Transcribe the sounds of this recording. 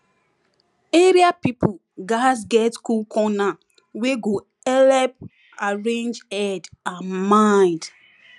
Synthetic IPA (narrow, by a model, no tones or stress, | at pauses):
eɾiapipu | ɡazɡɛtkulkʰɔna | weɡo | ɛlɛp | aɹẽnd͡ʒɛdãnmãɪ̃nd